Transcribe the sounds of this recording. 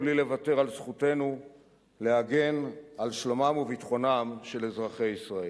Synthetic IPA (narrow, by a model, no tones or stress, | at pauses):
blile̞vat̪e̞ʁalzχute̞nu | leaɡe̞nalʃlomamuvitχo̞namʃe̞lezʁaχe̞jisʁae